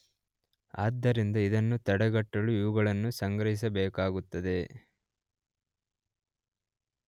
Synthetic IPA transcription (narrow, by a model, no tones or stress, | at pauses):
a̰ːd̪ːɐɾind̪ɐid̪ɐnːut̪ɐɽɐɡɐʈːɐɭuiʋuɡɐɭɐnːusɐŋɡɾɐɦis̬ɐbɛːkaːɡut̪ːɐd̪e̞